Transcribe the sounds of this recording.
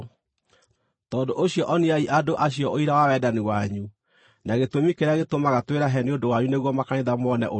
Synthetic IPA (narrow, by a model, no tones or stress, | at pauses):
tɔːndoʔoɕjɔʔɔniaiʔadoʔaɕiɔʔoiɾawawɛːdaniwaɲu | naɣetwomikeɾeaɣetomaɣatweɾaɦɛneondowaɲuneɣwɔmakaneðamɔnɛ̰ʔo